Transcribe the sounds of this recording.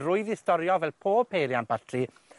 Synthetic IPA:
rʊɨðɪstɔɾjɔvɛlˠpʰoːpʰejɾjanbʰatʰri

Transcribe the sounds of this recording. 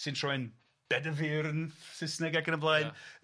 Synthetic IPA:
sɨ̃ntʰr̥ɔɨn | b̥ɛdəviːɾənsɪsnɛɡaɡənəmblˠajn

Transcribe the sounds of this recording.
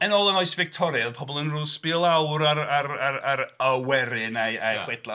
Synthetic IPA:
ənoːlˠənɔɨsvɪk̚tʰɔɾjɛðpʰɔbɔlˠənruːspɪlˠawɾaɾaɾaɾaɾəwɛɾɪnaajχwɛd̥lˠa

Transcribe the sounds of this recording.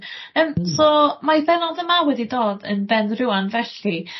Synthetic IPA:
əːmsɔmajbɛnɔðəmawɛdidoːdə̰nbɛndrɪwanvɛɬi

